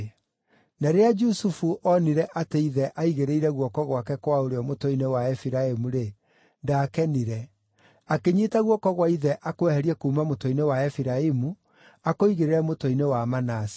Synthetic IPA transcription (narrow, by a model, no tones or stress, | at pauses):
naɾead͡ʒusufuʔɔniɾɛʔateiðɛʔaiɣeɾeiɾɛɣwɔkɔɣwakɛkwaoɾeɔmotoinewaɛfiɾaemuɾe | ndaːkɛniɾɛ | akeɲetaɣwɔkɔɣwaiðɛʔakoɛhɛɾiɛkuːmamotoinewaɛfiɾaemu | akoiɣeɾeɾɛmotoinewamanasi̥